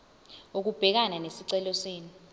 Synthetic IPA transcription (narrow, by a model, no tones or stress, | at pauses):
ok̬ub̥ʱɛk̬ananesiǀɛlɔseːni